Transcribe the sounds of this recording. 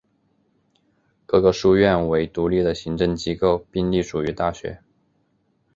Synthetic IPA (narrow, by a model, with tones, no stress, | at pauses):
kɤ˥˩ɡɤ˧ʂu˥˧ɥɛ˥˩nwe˧˥ɪt̪u˧˥li˥˩d̪ə˩ɕi˧˥ŋʈ͡ʂɤ˥˩ŋt͡ɕi˧˥ko˥˧ʊpi˥˧ŋli˥˩ʂu˨˩y˧˥t̪a˥˩ɕɥɛ̰˧˥